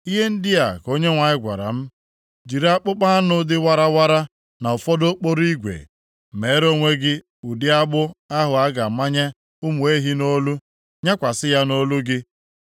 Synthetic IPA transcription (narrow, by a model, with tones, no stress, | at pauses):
i˦ɦe˦n̩˦dɪ˦a˨ko˦ɲe˦ŋʷa˨ɲɪ˦ɡʷa̰˨ɾa̰˨m̩˦ | d͡ʒi˨ɾa˦k͡pʊ˦k͡pa˦a˦nʊ˦dɪ˦wa˦ɾa˦wa˦ɾa˦ | na˨ʊ˨fɔ˦do˦k͡po˦ɾi˦ɡʷḛ˨ | me˨˦ɾo˦ŋʷe˦ɡɪ˦ | u˨dɪ˦a˦ɡ͡bʊ˦a˦ɦʊ˨a˦ɡa˨ma˦ɲe˦ | ʊ˦mu˨e˦ɦi˦no˦lu˦ | ɲa˦kʷa˨sɪ˦ja˦no˦lu˦ɡɪ˦